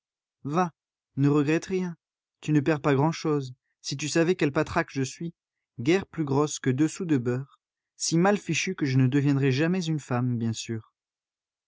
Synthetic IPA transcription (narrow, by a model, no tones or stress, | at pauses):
va | nəʁəɡʁɛt̪ʁjɛ̃ | t̪ynəpɛʁpaɡʁɑ̃ʃoz | sit̪̬ysavɛkʲɛlpat̪χakʒəsɥi | ɡɛʁplyɡʁɔskəd̪əsud̪əbœʁ | simalfiʃykəʒənəd̪əvjɛ̃d̪ʁɛʒamɛzynfambjɛ̃syːʁ